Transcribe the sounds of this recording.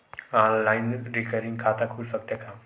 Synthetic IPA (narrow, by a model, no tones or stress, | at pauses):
aːllaɪnɾikəɾɪ̃ŋɡkʰaːt̪akʰulsək̚t̪akʰa